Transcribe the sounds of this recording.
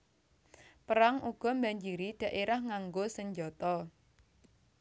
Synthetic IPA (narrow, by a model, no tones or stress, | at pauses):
pəɾaŋuɡ̥ɔ̤mbaɲd͡ʒiɾiɖ̥ä̤ʔeɾahŋaŋɡosəɲd͡ʒɔt̪ɔ